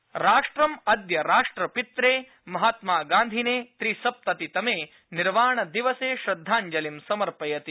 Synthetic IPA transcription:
ɾaːʂʈɾɐmɐd̪jɐɾaːʂʈɾɐpit̪ɾeː | mɐɦaːt̪maːɡaːnd̪ʱineːt̪ɾisɐp̚t̪ɐt̪it̪ɐmeː | niɾʋaːɳɐd̪iʋɐseːʃɾɐd̪ʱːaːɲd͡ʒɐlimsɐmɐɾpɐjɐt̪i

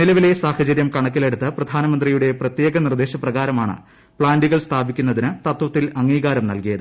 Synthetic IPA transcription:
nilɐʋile̞saːhɐt͡ɕɐɾjɐmkɐɳɐk̬ːile̞ɽut̪ːɨprɐd̪ʱaːnɐmɐnd̪rijuɽe̞prɐt̪je̞ːɡɐnird̪eːɕɐprɐɣaːɾɐmaːɳɨ̰ | pɭaːnɖiɣɐɭst̪ʰaːbikʲːunːɐðinɨt̪ɐt̪ʋɐt̪ːilɐŋːiːɣaːɾɐmnɐlkijɐðɨ

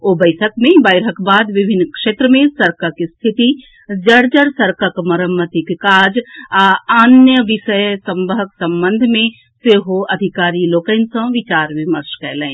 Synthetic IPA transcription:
obəɪʈʰəkmẽbəɪɾɦəkbaːd̪ʋɪbʱɪnːkʃeːt̪ɾəmẽsɐɾkəkist̪ʰɪt̪i | d͡ʒəɽd͡ʒəɾsɐɾkəkmɐɾəmːət̪ikkaːd͡ʒaaːnjəʋɪʃəjsɐ̃mbəɦəksɐ̃mbə̃nd̪ʱmẽ | seːɦoɐd̪ʱikaːɾiloːkəɪnsə̃ʋɪt͡ʃaːɾʋɪməɾʃkɛːlẽː

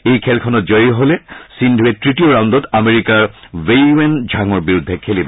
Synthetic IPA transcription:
ejkʰɛlkʰɔnɔt̚d͡ʑɔjɦolesindʱwetɹitioɹaw̃ndɔtameɹikaɹvejwend͡ʑʱaŋɔɹbiɹud̪ʱːekʰelibɔ

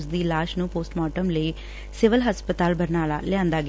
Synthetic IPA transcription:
sd̪iːlaːʃnũːpoːsʈmɔːʈəmləiː | sɪʋəlɦəspət̪aːlbəɾnaːla̰ːlɪjãːnd̪aːɡɪ

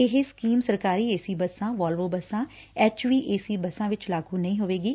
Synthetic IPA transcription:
ɪɦeskiːmsəɾkaːɾiːeːsiːbəsãːʋaːlʋoːbəsãː | ɛːt͡ʃʋiːʔeːsiːbəsãːʋɪt͡ʃlaːɡuːnəĩːɦoːʋeːɡiː

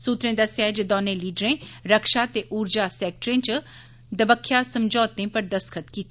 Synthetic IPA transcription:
suːt̪ɾẽːd̪əsjaːɛːd͡ʒəd̪ɔːnẽːliːɖɾẽːɾəkʃaːt̪eːʔuːɾd͡ʒaːsɛːk̚ʈɾẽːt͡ʃ | d̪əbəkʰːjaːsəmd͡ʒɔːt̪ːẽːpəɾd̪əskʰət̪kiːt̪

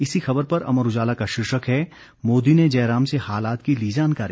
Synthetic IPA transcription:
ɪsixɐbəɾpɐɾɐ̰məɾʊd͡ʒaːlakaʃɪɾʃəkɦɛ | moːd̪ined͡ʒɛːɾaːmsehaːlaːt̪kiliːd͡ʒaːnkaːɾi

